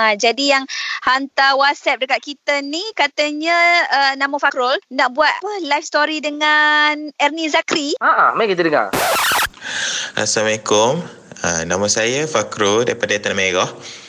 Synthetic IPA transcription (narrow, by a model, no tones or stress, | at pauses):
ad͡ʒadijaŋhant̪awat̪sɛp̚dəkat̪̚kit̪ənikat̪əɲə̃ənamofakɾolnaʔbuat̪̚pəlajfst̪oɾidəŋanɛrnizakɾiaʔa̰makit̪ədəŋa̰r | ʔa̰samalekʊm | ənamasajəfakɾoldaɾipadat̪anmeɡɔh